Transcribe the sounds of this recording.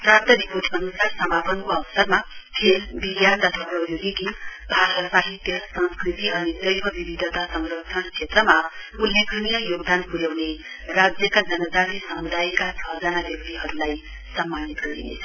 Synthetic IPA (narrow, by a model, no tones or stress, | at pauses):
prat̪ʌɾipot̪ʰʌnusarsʌmapʌnkoʌbʌsʌrmakʰelbiɡjart̪ʌt̪ʰʌʌjuɡikibʱasʌtsaɦit̪jʌsʌ̃nskrit̪iʌnid̪ʌjbʱʌbibid̪ʱʌt̪asʌŋrʌkʂʰʌnt͡sʰet̪rʌmaulːekʰnijʌjoɡd̪anpuɾjawne | rad͡zjʌkad͡zʌnʌd͡zaɾisʌmud̪ajkat͡sʰʌd͡zanabjʌk̚t̪iɦʌɾulaj | sʌmːanit̪ɡʌd̪ḭnḛt͡sʰʌ̥